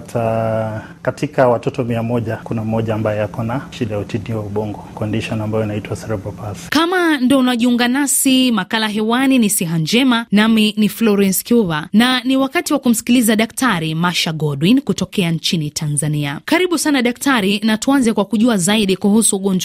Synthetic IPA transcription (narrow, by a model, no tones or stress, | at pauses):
tʰa | katʰikawatɔtɔmiamɔʄakunamɔʄaːmbajɔjakɔnaʃiɗajautiniwauɓɔŋɡɔkɔndiʃɔnambajɔinaitwasɛɾɛbɔpaskamandɔunaɔʄiuŋɡanasimakalaɦɛwaninisiɦand͡ʒɛmanaminiflɔɾɛnskuvananiwakatiwakum̩si̥kilizaɗaktaɾimaʃaɡɔɗwinkutɔkɛant͡ʃinitʰanzaniakaɾiɓusanaɗak̚tʰaɾinatuanzɛkwakuʄuazaiɗikuhusuːɠɔɲd͡ʒ